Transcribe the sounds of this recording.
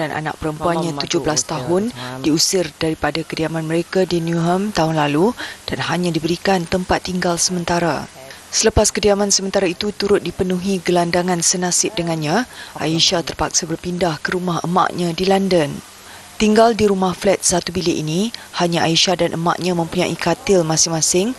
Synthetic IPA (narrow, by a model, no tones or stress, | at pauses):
danʔa̰na̰ʔ̚pəɾəmpuanɲãt̪ud͡ʒʊhbəlast̪aɦʊndiusɪrdaɾipadakədiamanməɾekadinuɦəmt̪aɦʊnlalud̥anhaɲãdibəɾikant̪əmpat̪ːiŋɡalsəmə̃nt̪aɾa̰ | sələpaskədiamãnsəmə̃nt̪aɾait̪ut̪uɾʊt̪̚dipənũɦĩɡəlandaŋãnsənãsɪp̚dəŋanɲãʔa̰iʃat̪ərpak̚sabərpindahkəɾumaɦə̰ma̰ʔɲãdilandən | t̪iŋɡaldiɾumahflɛt̪̚sat̪ubileʔinihaɲãʔaiʃadanʔəma̰ʔɲãmə̃mpuɲãʔikat̪ɪlmãsɪŋmãsɪŋ